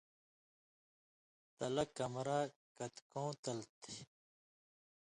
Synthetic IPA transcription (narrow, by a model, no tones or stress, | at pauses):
t̪ɐlɐkɐmɾakɐt̪kõːt̪ɐlt̪ʰi̥